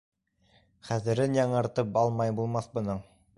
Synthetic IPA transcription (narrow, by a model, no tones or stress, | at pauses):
χæðɘ̆ɾɘnjɑɴɤ̆ɾt̪ɤpɑlˠmɑjbulˠmɑθbɤ̆nɤɴ